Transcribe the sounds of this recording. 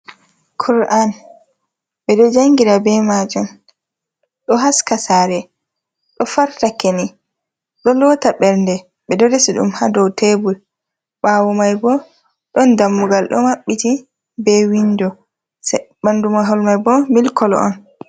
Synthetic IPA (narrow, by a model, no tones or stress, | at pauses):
kʰuɾʔan | ɓɛɗɔd͡ʒaŋɡiɾabɛmad͡ʒum | ɗɔɦaskasaɾɛ | ɗɔfaɾtakeni | ɗɔlɔtaɓɛɾndɛ | ɓɛdɔdɛsiɗṵmhadɔwtebul | ɓawɔmajbɔ | ɗɔndamːuɡalɗɔ̰maɓːiti | bɛwindɔ | sbandumaɦɔlmajbɔmilkɔlɔ̰ɔ̰n